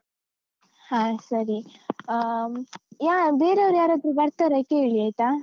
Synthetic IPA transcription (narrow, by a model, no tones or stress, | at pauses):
hãːsɐɾi | jaːbeːɾeɐʋɾjaːɾod̪ɾubɐɾt̪aɾɐkeːɭiaːjt̪a